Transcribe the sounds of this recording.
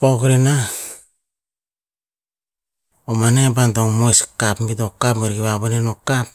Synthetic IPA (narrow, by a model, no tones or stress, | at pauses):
pokɾina | omanebandoŋmojskapmidokapmeɾɡiβaβonenokap̚